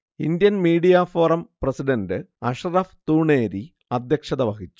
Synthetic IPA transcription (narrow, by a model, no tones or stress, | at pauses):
ind̪jɐnmiːɖijafoːrɐmprɐsiɖɐndɨ | ɐʂɐrɐft̪uːɳeːɾi | ɐd̪ʱjɐkʂɐðɐʋɐɣit͡ɕːu̥